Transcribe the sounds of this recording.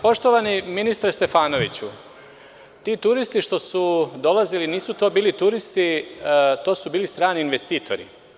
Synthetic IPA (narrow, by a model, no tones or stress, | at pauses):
po̞ʃt̪o̞ʋaniminist̪ɾest̪e̞faːno̞ʋit͡ɕu | t̪iːt̪uɾist̪iʃt̪o̞sud̪o̞laziliniːsut̪o̞ːbiːlit̪uɾist̪i | t̪o̞ːsubiːlist̪ɾaːniːnʋest̪iːt̪ʰo̞̰ɾḭ